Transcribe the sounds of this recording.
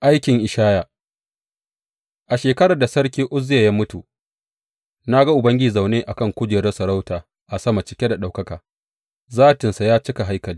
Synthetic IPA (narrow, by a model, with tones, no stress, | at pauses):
ʔa˦jkʲɪ˨ŋʔɪ˨ʃaː˦ja˨ | ʔa˨ʃeː˨kɐ˦ɽa˨da˨sɐ˦rkʲiː˦ʔʊ˦zɪ˦ja˨jaː˦mʊ˦tu˨ | na˦ɡa˦ʔʊ˨bɐ˦ŋɡʲɪ˦i˨za˨wneː˦ʔa˨kɐ˦˨ŋkʷʊ˦d͡ʒeː˨ɾɐ˦sɐ˨ɽa˦wtaː˨ | ʔa˨sɐ˦ma˨t͡ʃɪ˦kʲe˦da˨ɗa˨wkɐ˦kaː˨ | zaː˦˨tɪ˨nsa˨jaː˦t͡ʃɪ˦ka˨ɦa˦jkɐ˨liː˦